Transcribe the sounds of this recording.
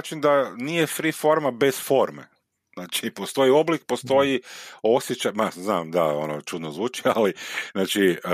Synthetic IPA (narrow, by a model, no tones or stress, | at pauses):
t͡ʃind̪anije̞fɾifo̞ɾmabe̞sfo̞ɾmḛ | znaːt͡ʃipo̞st̪o̞jio̞blik̚post̪o̞jio̞sjet͡ʃajmazna̰ːmd̪a̰o̰not͡ʃud̪nozʋuːt͡ʃia̰liznaːt͡ʃi